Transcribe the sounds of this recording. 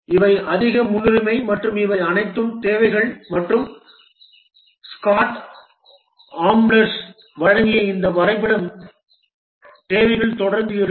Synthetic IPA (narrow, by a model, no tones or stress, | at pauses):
ɪʋɐɪʔɐðɪɣɐmʊnʊɾɪmɐɪmɐʈrɯmɪʋɐɪɐnɐɪt̪ːɯmt̪eːʋɐɪɣɐɭmɐʈrɯm | skaːʈ | aːmblɐɾs | ʋɐɻɐŋɡɪjɐɪɪnd̪ɐʋɐɾɐɪp̬ːɐɽɐm | t̪eːʋɐɪɣɐɭt̪ɔɽɐɾnd̪ɯɛɾ